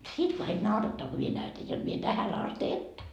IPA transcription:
sit kɑik nɑurɑtːɑː ko mie næytæj jot mie tæhæn ɑst etːæ

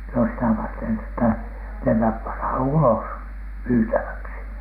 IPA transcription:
no sitæ ʋɑrten etːæ næmæp pɑnhɑn ulos myːtæʋæksi

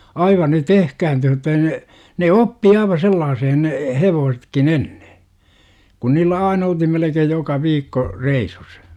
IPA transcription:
ɑiʋɑ ne tehkæːntyːh mutːɑ ei ne ne opːi ɑiʋɑ selːɑːsehen ne heʋoːsetkin enːe kun niːlːæ ɑin olthim melekeːj jokɑ ʋiːkːo reisus

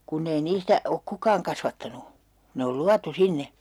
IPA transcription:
kunː ei niːstæ ok kukɑːŋ kɑsʋɑtːɑnu ne ol luɑtu sinːe

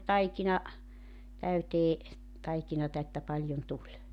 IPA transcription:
tɑikinɑ tæyteː tɑikinɑtɑ etːæ pɑlʲjon tulʲ

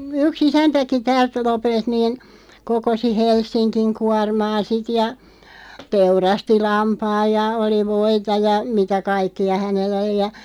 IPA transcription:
yks isæntæki tæːlt lopelt niːn kokosi helsːinkiŋ kuɑrmɑː sit jɑ teurɑsti lɑmpɑːj jɑ oli ʋoitɑ jɑ mitæ kɑikːiɑ hænelː oli jɑ

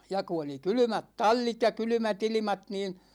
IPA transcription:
jɑ ku oli kylymæt tɑlʲːit jɑ kylymæt ilimɑt niːn

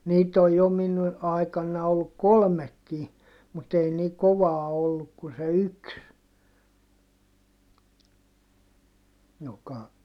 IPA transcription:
niːt oj jo min ɑikɑnːɑ olːuk kolmekːi mut ei ni koʋɑː olːuk kun se yks jokɑ

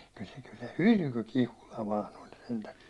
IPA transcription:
kyl se kyl se hylky kihulɑ ʋɑːn olʲ sentæ

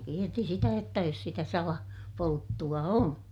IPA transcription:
kierti sitæ jotːɑ jos sitæ sɑlɑ poltːuɑ on

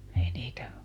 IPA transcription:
ei niːtæ

